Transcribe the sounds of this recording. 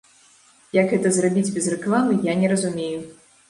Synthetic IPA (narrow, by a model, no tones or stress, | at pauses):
jɐkɣɛt̪ɐzrabʲid͡zʲbʲɛzrɛklˠamɨjanʲɛɾɐzumʲeju